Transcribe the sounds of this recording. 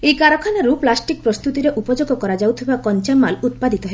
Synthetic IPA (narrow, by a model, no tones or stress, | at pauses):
ejkaɾɔkʰanaɾuplasʈik̚pɾɔst̪ut̪iɾeʔupɔd͡ʒoɡɔkɔɾad͡ʒawt̪ʰibakɔnt͡ʃamːalut̪̚pad̪it̪ɔɦe